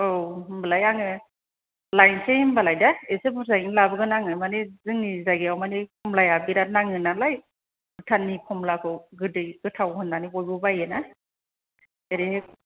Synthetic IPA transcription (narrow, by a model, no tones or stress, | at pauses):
owmbalajaŋɯ | lajnsembalajdaesebuɾsaɡinlabɯɡɯnaŋɯmanezɯŋnizaɡeawmanipʰɔmlajabiɾat̚naŋɯnalaj | bɯtʰanːipʰɔmlakʰɔɡɯdɯjɡ̥ɯtʰawhɯnːanibɔjbɯbajɯna | eɾee